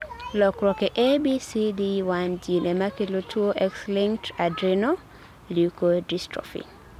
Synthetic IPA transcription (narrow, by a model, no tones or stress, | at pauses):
lɔkɾɔkɛʔebisidiwand͡ʒinemakilotʰuoʔɛkslĩŋtadɾino | lukodistɔ̰fḭ